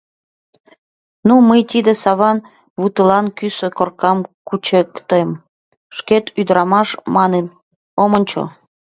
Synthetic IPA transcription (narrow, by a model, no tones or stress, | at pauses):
numəjt̪id̪ĕsɑβɑn | βut̪əlɑnkysə̆korkɑmkut͡ɕekt̪em | ʃket̪yd̪əɾɑmɑʃmɑnen | omənʲt͡ɕo̰